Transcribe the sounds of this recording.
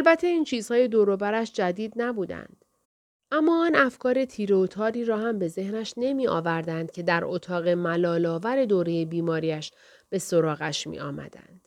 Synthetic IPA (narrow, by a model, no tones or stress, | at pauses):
ʔælbæt̪ʰːe̞iːnt͡ʃʰiːz̥hɒːje̞d̪oɾobæɾæʃd͡ʒæd̪iːd̪̚næbuːd̪æ̰nd̪̥ | ʔæmːɒːɒnæfkʰɒːɾe̞t̪ʰiːɾeot̪ʰɒːɾiːɾɒːhæmbe̞ze̞hnæʃne̞miːʔɒ̰ːvæɾd̪ænd̪̚cʰe̞d̪æɾot̪ʰɒːɣe̞mælɒːlɒːvæɾe̞d̪oːɾe̞je̞biːmɒːɾiːæʃ | b̥e̞soɾɒːɣæʃmḭɒ̰ːmæ̰d̪æ̰nd̪̥